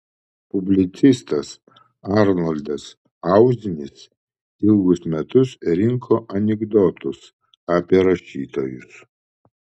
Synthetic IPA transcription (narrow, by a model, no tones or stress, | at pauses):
pʊbʲlʲɪt̪sʲɪst̪ɐs | ɑɾnɔlʲd̪ɐs | ɑʊzʲɪnʲɪs | ɪlˠɡʊsmʲɛt̪ʊsɾʲɪŋkʰoːʔɐnʲɛɡd̪ot̪ʊs | ɑːpʲiɛɾɐʃʲiːt̪oːjʊs